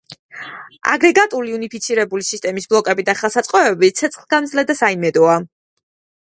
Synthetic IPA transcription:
a̰ɡɾɛɡat̪ʼuliunipʰit̪sʰiɾɛbulisist̪ʼɛmisblˠɔkʼɛbid̪aχalˠsat̪sʼqʼɔɛbit̪sʰɛt̪sʰχlˠɡamd̪zlɛd̪asaimɛd̪ɔa

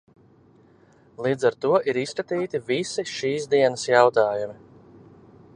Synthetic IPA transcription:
lˠiːd̪zaɾt̪uɔʔiɾiskat̪iːt̪ivisiʃiːzd̪iɛnəsjawt̪aːjumi

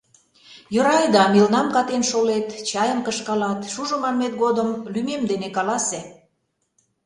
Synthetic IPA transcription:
jøɾɑjd̪ɑmilnɑmkɑt̪enʃolet̪t͡ɕɑjəmkəʃkɑlɑt̪ʃuʒŏmɑnmet̪̚ɡod̪əmlymemd̪enekɑlɑse

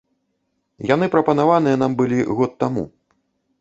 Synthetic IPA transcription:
jan̪ɨpɾɐpɐnavanɨjɐnambɨlʲiɣɔt̪ːamṵ

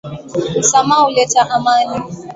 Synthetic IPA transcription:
samaʊlet͡ʃaʔamaɲɪ

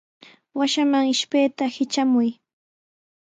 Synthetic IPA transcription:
waʃamaŋɪʃpejt̪ahɪt͡ʃamʊj

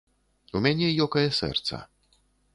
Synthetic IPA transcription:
umʲanʲɛjɔkɐjɐsɛ̰rt̪sɐ̰

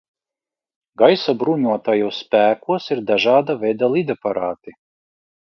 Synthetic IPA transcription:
ɡajsabɾuɲuɔt̪ajuɔsːpæːkuɔsiɾd̪aʒaːd̪avʲɛjd̪alˠid̪apaɾaːt̪i

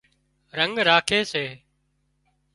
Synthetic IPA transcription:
ɾəŋɡɾaːkʰeːseː

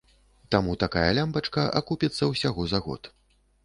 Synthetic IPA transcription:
t̪amut̪akajɐlʲambɐt͡ʂkɐʔa̰kupʲit̪sːɐwsʲaɣɔzaɣɔ̰t̪

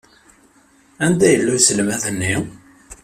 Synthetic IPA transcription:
ænd̪æjəlːusəlmæðənːi

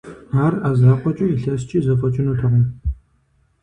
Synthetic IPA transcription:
aːrazaːqʷɔt͡ʃʼʊiɬɐst͡ʃʼiːzɨfɐt͡ʃʼɪnutʰɐʁɐ

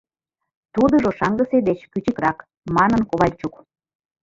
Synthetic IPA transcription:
t̪ud̪ə̆ʒoʃɑŋɡə̆sed̪et͡ɕkyt͡ɕəkrɑk | mɑnənkoβɑlʲt͡ɕuk

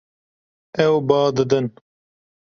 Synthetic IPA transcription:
ɛwbɑːd̪ɨd̪ɨn

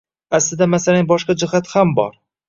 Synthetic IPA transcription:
aslɪd̪amasalanbɒʃqɑd͡ʒɪɦat̪hambɒ̰ɾ

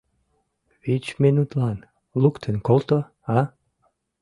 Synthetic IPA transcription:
vit͡ʃminut̪lˠan | lˠukt̪ʰənkolˠt̪o | a

